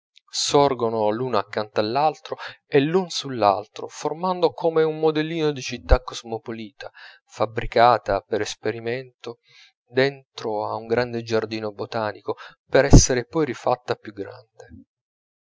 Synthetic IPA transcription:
sɔrɡonolunoakːant̪alːalt̪ɾoelːunsulːa̰lt̪ɾo̰formand̪okomeumːod̪ɛlːiːnod̪it͡ʃit̪ːakːozmopoliːt̪a | fabɾikaːt̪apeɾespeɾiment̪o | d̪ent̪ɾoauŋɡɾand̪ed͡ʒard̪iːnobot̪aːnikopeɾɛsːeɾepɔjrifat̪ːapjuɡɾa̰nd̪e

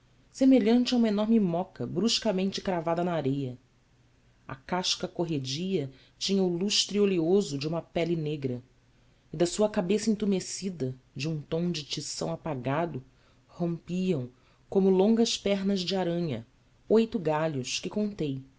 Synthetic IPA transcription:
semeʎɐ̃nt͡ʃaũmɐenɔɾmɪmɔkɐbɾuʃkɐmẽnt͡ʃɪkɾavad̪ɐnaaɾejɐ | ɐ̰kaʃkɐkoɦed͡ʒiɐ | t͡ʃĩɲɐʊluʃt̪ɾioliozʊd͡ʒɪũmɐpɛlɪneɡɾɐ | ɪd̪ɐsuɐkabesɐĩnt̪umesid̪ɐd͡ʒɪũt̪õw̃d͡ʒɪt͡ʃisɐ̃w̃apaɡad̪ʊ | hõmpiɐ̃w̃ | kõmʊlõŋɡɐʃpɛɦnɐzd͡ʒɪaɾɐ̃ɲɐ̰ | ojt̪ʊɡaʎʊʃkɪkõnt̪ej

